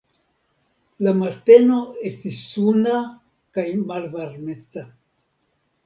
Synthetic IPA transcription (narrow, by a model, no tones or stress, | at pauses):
lamaɾte̞no̞estisːuna | kajmalvaɾmeta